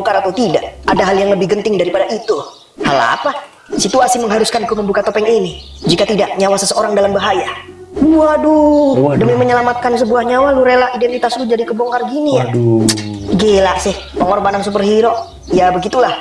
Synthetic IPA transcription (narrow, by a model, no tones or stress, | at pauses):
ŋkaɾat̪awt̪idaʔadaɦaljaŋləbɪhɡənt̪ɪŋdaɾipadaʔit̪u | hala̰pa | sit̪uasiməŋɦaɾuskankuməmbukat̪opɛŋini | d͡ʒikat̪idaʔɲawasəsəoɾaŋdalambaɦajabuadʊdəmiməɲəlamat̪̚kansəbuahɲawaluɾelaidɛnt̪it̪aslʊd͡ʒadikəbɔŋkarɡinija | ɡelaʔsɪh | pəŋɔrbanansup̬ərhiɾɔʔ | jabəɡit̪ulah